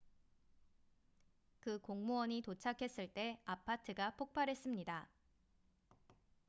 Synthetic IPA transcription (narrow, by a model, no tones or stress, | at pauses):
kɯkoŋmowʌɲitot͡ɕʰakʰe̞s͈ɯɭt͈e̞apʰatʰɯɡapʰok̚p͈ʰaɾɦe̞s͈ɯmɲida